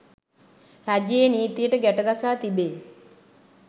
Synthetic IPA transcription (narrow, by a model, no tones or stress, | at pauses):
ɾad͡ʒjeniːt̪ijəʈəɡæʈəɡasaːt̪ibeː